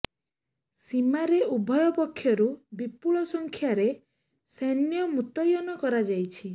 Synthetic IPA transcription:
simaɾeʔubʱɔjɔpɔkʰːjɔɾubipuɭɔsɔŋkʰjaɾe | senjɔmut̪ɔjɔnɔkɔɾad͡ʒajt͡ʃʰi

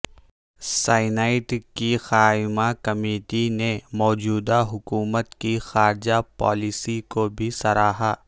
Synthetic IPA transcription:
saːɪnaːɪʈkixaːɪmakɐmeːʈinemɔːd͡ʒuːd̪aɦʊkuːmət̪kixaːɾd͡ʒapɔ̰ːlɪsikobʱisɐɾaːɦaː

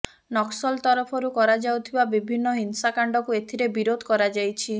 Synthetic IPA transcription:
nɔksɔlt̪ɔɾɔpʰɔɾukɔɾad͡ʒawt̪ʰibabibʱinːɔɦinsakaɳɖɔkuet̪ʰiɾebiɾod̪ʱɔkɔɾad͡ʒajt͡ʃʰi

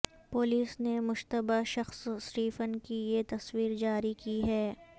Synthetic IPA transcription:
pʊliːsnemʊʃt̪əbaʃɐxssɾiːfənkijet̪ɐswiːɾd͡ʒaːɾikiɦɛː

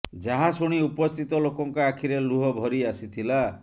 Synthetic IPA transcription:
d͡ʒaɦasuɽ̃iupɔst̪ʰit̪ɔlokɔŋkɔakʰiɾeluɦɔbʱɔɾiasit̪ʰila

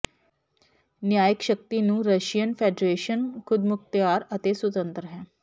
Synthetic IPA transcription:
njajəkɕək̚t̪inũːɾəɕijənfeɖɾeɕənkʰud̪muk̚t̪jaɾət̪eswut̪ənt̪ɾəɦɛ̃

